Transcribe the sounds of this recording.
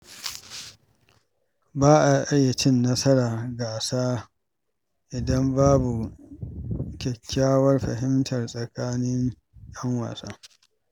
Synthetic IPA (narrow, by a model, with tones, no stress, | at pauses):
baː˦ʔa˨ʔɐ˦jːa˨t͡ʃɪ˦nːɐ˦sɐ˦ɽaː˨ɡaː˨saː˦ | ʔɪ˨dɐ˦mbaː˦bu˨ | kʲɛ˨kʲʰːaː˦wɐ˦rɸɐ̰˨ɦɪ˦mtɐ˨rsʼɐ˨kaː˦nɪ˦ŋ | jɐ˦ŋwa̰ː˨saː˦